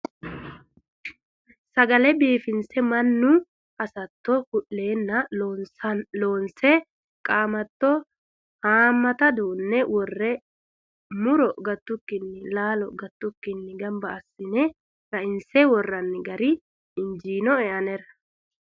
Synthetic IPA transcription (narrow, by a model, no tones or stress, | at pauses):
sɐɡɐlɛbiːfɪnsɛmɐnːʊ | ɐsɐt̪ːɔkʊʔːe̞ːnːɐ | loːnsɛ | kʼaːmɐt̪ːɔ | haːmːɐt̪ɐd̪uːnːɛwɔrːɛ | mʊɾɔɡɐt̪ːʊkːɪnːɪlaːlɔɡɐt̪ːʊkːɪnːɪɡɐmbɐːsːɪnɛ | ɾɐɪnsɛwɔrːɐnːɪɡɐɾɪ | ɪnd͡ʒiːnɔɛʔɐnɛɾɐ